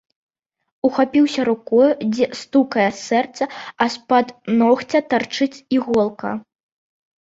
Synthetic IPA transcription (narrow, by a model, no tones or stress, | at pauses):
uxapʲiwsʲɐɾukɔjud͡zʲɛst̪ukɐjɐsɛrt̪sɐɐspat̪nɔxt͡sʲɐt̪art͡ʂɨt͡sʲiɣɔlˠkɐ̰